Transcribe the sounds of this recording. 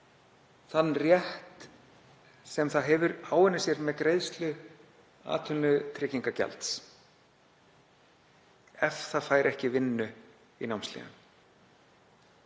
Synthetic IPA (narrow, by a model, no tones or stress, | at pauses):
θanːrjɛht̪ | sɛmθaðɦɛvʏɾaːwɛnːɪsjɛɾmɛðkɾejðst̪lʏ | a̰ːt̪ʰʏnːʏt̪ʰɾɪciŋkacɛ̰lt̪s | ɛfθaðfaːjɾʔɛhcɪvɪnːʏ | inawmst̪lḭnʏ̰m